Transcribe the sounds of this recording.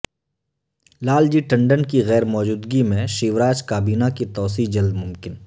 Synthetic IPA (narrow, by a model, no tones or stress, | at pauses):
laːld͡ʒiːʈɐ̃ɳɖənkiɣɛːɾmɔːd͡ʒuːd̪ɡimẽʃiːʋɾaːt͡ʃkaːbiːnakit̪ɔːs̬iːd͡ʒɐld̪mʊmkɪn